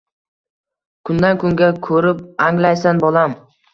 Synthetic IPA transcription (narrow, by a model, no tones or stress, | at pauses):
kʰʊnd̪ankʊŋɡʲakʰɵɾɪp̚aŋlajsanbɒlˠam